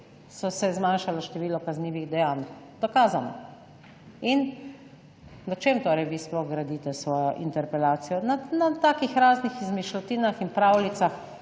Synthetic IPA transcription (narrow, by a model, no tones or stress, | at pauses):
sɔsɛzmanʃalɔʃt̪ɛʋiːlɔkazniːʋiɣd̪ɛjaːn | d̪̥ɔkaːzanɔ̰ | in | nat͡ʃemt̪oːɾɛjʋisplɔɣɡɾad̪iːt̪ɛsʋɔːjɔʔint̪ɛɾpɛlaːt̪sijɔnanat̪aːkixɾaːznixizmiʃlɔt̪iːnaxinpɾaːwlit̪sax